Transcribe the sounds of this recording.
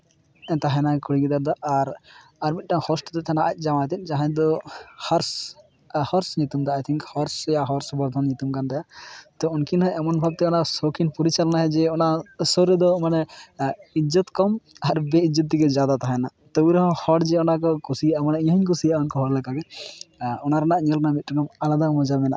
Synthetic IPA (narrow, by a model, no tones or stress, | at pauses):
ɛnt̪aɦanakuɽiɡid̪aɾd̪aʔaɾaɾmit̪̚ˀʈaŋhɔsʈɔd̪ɛt̪ʰɛnaʔat̪̚ˀd͡ʒamajt̪ɛt̪̚ˀd͡ʒaɦãd̪ɔhɔɾs | hɔɾsɲut̪umd̪ɔajt̪ʰiŋkhɔɾsjaɦɔɾsbɔɾd̪ʱɔnɲut̪umkand̪ɛjat̪ɔunkinɦɔɛmɔnbʱab̚t̪ɛɔnasɔkinpɔɾit͡ʃalnaɦɛd͡ʒɛɔnasɔɾɛd̪ɔmanɛ | id͡ʒət̪kɔmaɾbɛid͡ʒət̪̚d̪ikɛd͡ʒad̪at̪aɦajnat̪ɔbuɾɔɦɔ̃hɔɽd͡ʒɛɔnakɔkusijʔamanɛʔɲɦɔɲkusijaunkɔɦɔɾlɛkaɡɛ | ɔnaɾanaʔɲɔlnamit̪̚ʈakɔmalad̪amɔd͡ʒamɛna̰ʔ